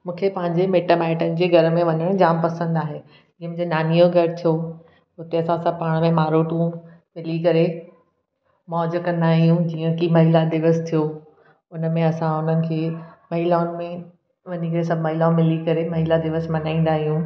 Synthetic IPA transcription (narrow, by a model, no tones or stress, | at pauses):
mũːkʰepɐ̃ɦɪ̃ɲd͡ʑemeːʈəmɛːɪʈənɪ̆d͡ʑeːɡʱɐɾmẽʋɐɲəɽ̃d͡ʑaːmpɐsə̃nd̪aːɦe | iːəmũɲd͡ʑenaːnijoɡʱɐɾt̪ʰijo | ʊt̪eɐsãsãpaːɽ̃mẽmaːɾoːʈũ | mɪlikɐɾe | mɔːd͡ʑkɐ̃nd̪aːɦijũd͡ʑiːə̃kimɐɦɪlad̪ɪʋəst̪ʰijo | ʊnmẽɐsãʊn̤ənɪ̆kʰeːmɐɦɪlaːʊnɪ̆mẽ | ʋɐnikɐɾesɐbʱmɐɦɪlaũmɪlikɐɾemɐɦɪlad̪ɪʋəsmɐnaːĩn̆d̪aːɦijũ